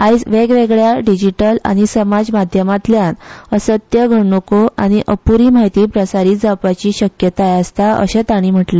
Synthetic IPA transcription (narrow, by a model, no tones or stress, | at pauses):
ajd͡zʋeɡʋeɡɭjaɖid͡ʑiʈəla̰ɽ̃isəmad͡zmad̪ʱjəmat̪ljanəsət̪jəɡʱəɳokoʔa̰ɽ̃iʔəpuɾiːmaɦit̪iːpɾəsaɾiːt̪d͡zapat͡ɕiːɕəkjət̪ajəst̪aə̰ɕẽt̪aɽ̃iːm̤əʈle